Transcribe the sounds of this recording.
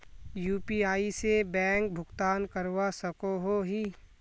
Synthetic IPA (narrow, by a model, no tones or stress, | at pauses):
juːpiaːisebɛ̃ːŋk̚bʱʊɡt̪aːnkəɾwasəkoɦoɦiː